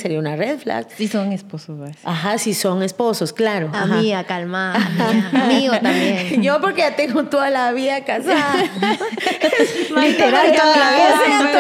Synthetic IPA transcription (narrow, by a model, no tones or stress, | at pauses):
seɾiaunareðfla̰ksisoŋespososeaxasiso̞ŋe̞spo̞so̞sklaɾoamiakalma | miot̪ambjeŋʝopoɾkeʝat̪eŋɡot̪oðalaβiakasað | smlalit̪eɾat̪olae